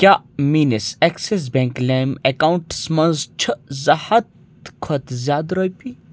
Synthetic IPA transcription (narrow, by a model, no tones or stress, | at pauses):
kʲjaːmiːnisɛkses̬bɛ̃ŋklemekauɳʈsmɐ̃nzt͡ʃʰəzɐhɐt̪ | kʰɐt̪zʲjaːd̪ɾojpi